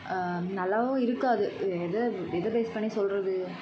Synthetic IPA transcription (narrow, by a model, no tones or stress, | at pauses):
nɐlːaːʋʊ̃ɪɾɯkːaːðɯɛðɐʋɪðɐpeːspɐɳːisɔlrɐðɯ